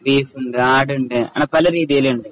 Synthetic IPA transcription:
riːfuɳɖɨaːɽuɳɖɨɐ̰ːɳɐpɐlɐɾiːðijɐluɳɖɨ

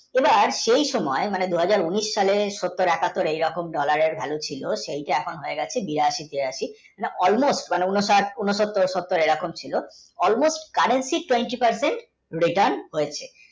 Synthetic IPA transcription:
ebaɾʃejʃɔmɔemaned̪uɦad͡ʑaɾuniʃːaleʃot̪ːoɾɛkat̪ːoɾejɾɔkomɖɔlaɾeɾbʱɛlot͡ɕʰiloʃejʈaɛkʰonɦoeɡɛt͡ɕʰebiɾaʃit̪iɾaʃi | aneʔɔlmosʈmaneunoʃaɾunoʃot̪ːoɾʃot̪ːoɾejɾɔkomt͡ɕʰilo | ɔlmosʈkaɾensiʈweɳʈipaɾseɳʈ | ɾiʈəɾnɦoet͡ɕʰe

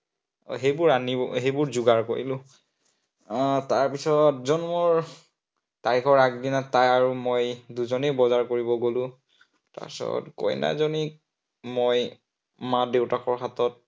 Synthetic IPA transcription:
ɦejbʊɹaniɔɦejbʊɹzʊɡaɹkoɹilʊ̃ | taɹpisɔtzɔnmɔɹ | taɹikʰɔɹak̚dinatːajaɹumojduzɔnebɔzaɹkoɹibɔɡolʊ̃ | ta̰ɹsɔ̰ɔ̰tkɔ̰jna̰zɔni | moj | madewtakʰɔɹxatɔt̚

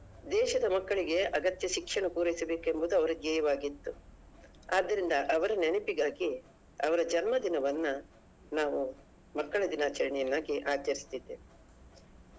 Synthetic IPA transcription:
d̪ɛːʃɐd̪ɐmɐkːɐɭiɡe̞ɐɡɐt̪jɐʃikʂɐɳɐpuːɾɐjisɐbe̞ːke̞mbud̪uɐʋɐɾɐɡjɛːjɐʋaːɡit̪ːu | aːd̪ːɐɾind̪ɐʔɐʋɐɾɐneɳɐpiɡaːɡi | ɐʋɐɾɐd͡ʒɐnmɐd̪inɐʋɐnːu | naːʋu | mɐkːɐɭɐd̪inaːt͡ʃɐɾɐɳijɐnːaːɡiʔaːt͡ʃɐɾist̪id̪ːe

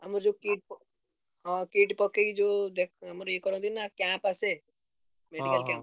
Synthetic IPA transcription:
ɦɐmɾd͡ʒokiːʈ̚p | ɦãkiːʈpɔkeid͡ʒoːd̪ekʰɦəmɾjekɔɾõd̪inakãpase | meːɖikəlkãːp

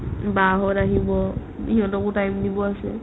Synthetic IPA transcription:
baɦɔɹaɦibɔ | iɦɔ̃tɔkutajmdibɔasɛ̰

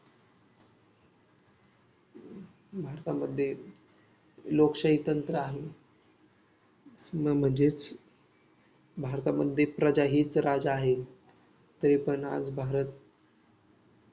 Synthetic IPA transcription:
bʱaɾt̪aməd̪ʱːje | lokʂəɦit̪ənt̪ɾəaɦe | məm̤əɳd͡ʑet͡s | bʱaɾt̪aməd̪ʱːjepɾəd͡ʑaɦiːt͡sɾad͡zaːɦe | t̪əɾipəɳa̰d͡zbʱaɾət̪̚

